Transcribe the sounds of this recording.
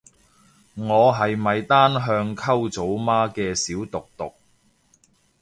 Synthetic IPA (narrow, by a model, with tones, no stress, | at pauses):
ŋɔː˨˧ɦɐ˨jmɐ˨jt̪aː˥nɦœː˧ŋkʰɐ˥wt͡so˨˥wmaː˥kɛː˧siː˨˥wt̪ʊ˨k̚t̪ʊ˨k̚